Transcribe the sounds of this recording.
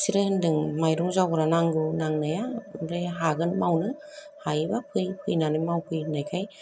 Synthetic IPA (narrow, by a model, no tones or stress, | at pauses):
siɾɯɯndɯŋmajɾuŋzawɾanaŋɡɯnaŋnajaɯndajɦaɡɯnmawnɯ | hajbapʰɯjpʰɯjnanɯjmawpʰɯjnajkʰaj